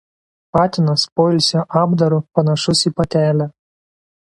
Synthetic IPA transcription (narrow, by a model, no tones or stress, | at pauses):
pɑːt̪ʲɪnɐspoːɪlʲsʲoːʔɑːbd̪ɐɾʊpɐnɐʃʊsiːpɐt̪ʲæːlʲæ